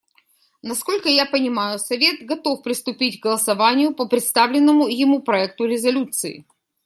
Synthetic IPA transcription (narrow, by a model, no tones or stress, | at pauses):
nɐsko̞lʲkəjapənʲɪmajʊsɐvʲe̞t̪ɡɐt̪o̞fpɾʲɪst̪ʊpʲitʲɡɡəlˠəsɐvanʲɪjʊpəpɾʲɪt̪st̪avlʲɪnːəmʊjɪmupɾɐɛk̚t̪ʊɾʲɪzɐlʲut̪sɨɪ̰